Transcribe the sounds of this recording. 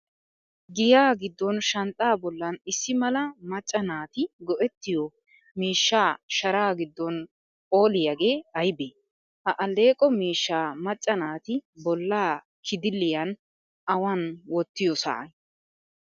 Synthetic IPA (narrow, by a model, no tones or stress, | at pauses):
ɡɪjaːɡɪd̪ːɔnʃɐnt̪ʼaːbɔlːɐnɪsːɪmɐlɐmɐt͡ʃʼːɐnaːt̪ɪɡɔʔɛt̪ːɪjɔ | miːʃːaːʃɐɾaːɡɪd̪ːɔn | pʼo̞ːlɪjɐɡeːɐjbeː | hɐʔɐlːe̞ːkʼɔmiːʃːaːmɐt͡ʃʼːɐnaːt̪ɪbɔlːaː | kʰɪd̪ɪlːɪjɐn | ɐwanwɔt̪ːɪjɔsa̰ʔɐj